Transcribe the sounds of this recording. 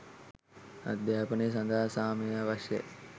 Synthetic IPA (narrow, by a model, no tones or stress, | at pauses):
a̰d̪jaːpənes̬ɐnd̪ʱaːsaːmeaʋɐʃjḛ